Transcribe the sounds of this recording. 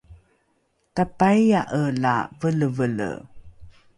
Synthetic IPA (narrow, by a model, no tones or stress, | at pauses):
tapajjaʔəla̰vələvələ̰